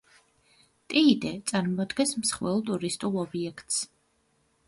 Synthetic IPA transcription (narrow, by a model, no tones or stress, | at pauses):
t̪ʼiːd̪ɛt̪sʼaɾmɔɔd̪ɡɛ̃nsmsχwɛlˠt̪ʼuɾist̪ʼulˠɔbiɛkʰt̪ʼs